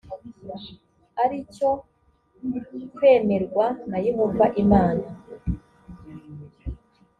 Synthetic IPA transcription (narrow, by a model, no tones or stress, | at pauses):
aɾico̞ | kwe̞ːme̞ɾɡwanajimuvaʔimaːna